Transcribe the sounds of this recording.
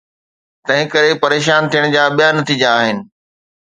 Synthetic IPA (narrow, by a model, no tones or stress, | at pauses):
t̪ɐ̃ɦɪ̃kɐɾepɐɾeːʃaːnt̪ʰijəɽ̃d͡ʑaːɓijanɐt̪iːd͡ʑaːɦɪnɪ̆